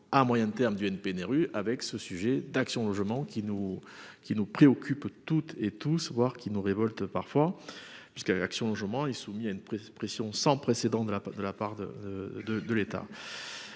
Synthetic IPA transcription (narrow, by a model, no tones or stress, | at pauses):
amwajɛ̃t̪ɛʁmd̪yɛnpenɛʁyʔavɛksəsyʒed̪aksjɔ̃lɔʒmɑ̃kʲinukʲinupχeɔkʰʲypt̪ut̪et̪usvwaʁkʲinuʁevɔlt̪pa̰ʁfwapɥiskaa̰ksjɔ̃lɔʒmɑ̃ilsumiaynppχesjɔ̃sɑ̃pχesed̪ɑ̃t̪d̪əad̪əlapaʁd̪ə̰əd̪əd̪əlet̪a̰